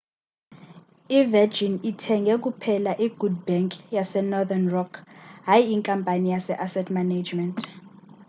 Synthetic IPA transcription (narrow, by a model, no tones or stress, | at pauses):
ivɛd͡ʒinitʰɛŋɡʱɛk̬upʰɛlaʔiɡ̥ud̚bɛŋkʼjasɛnɔðanrɔkʰɦajiiŋkʼampʼanijasɛʔasɛtʰmanad͡ʒmɛntʼ